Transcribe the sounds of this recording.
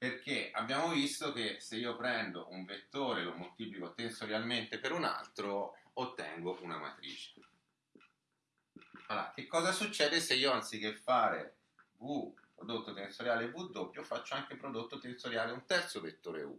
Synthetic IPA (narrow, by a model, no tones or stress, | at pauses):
perk̟ea̰bːjaːmovist̪ok̟eseiːopɾɛnd̪oʔuɱvet̪ːoːɾelomot̪iːplikot̪ensoɾjalment̪epeɾuna̰lt̪ɾoot̪ːɛ̰ŋɡoʔuna̰ma̰t̪ɾḭːt͡ʃe̥ | ala̰k̟ekːɔːzasut͡ʃːɛːd̪eseiːoant̪sik̟efːaːɾḛ | vupɾod̪ot̪ːot̪ensoɾjaːlevud̪ːopːjofat͡ʃːoaŋkepɾod̪ot̪ːot̪ensoɾjaːleunt̪ɛrt̪sovet̪ːoːɾḛṵ